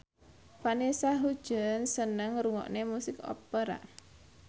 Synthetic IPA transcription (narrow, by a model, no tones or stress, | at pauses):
panesaɦud̥ʒ̥ə̤nsənəŋɾuŋɔ̰ʔnemusɪkɔ̰pəɾa̰